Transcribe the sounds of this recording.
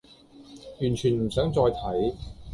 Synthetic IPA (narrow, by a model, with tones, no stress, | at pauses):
jyː˨˩nt͡ʃʰyː˨˩nm̩˨˩sœː˨˥ŋt͡sɔː˧jt̪ʰɐ˨˥j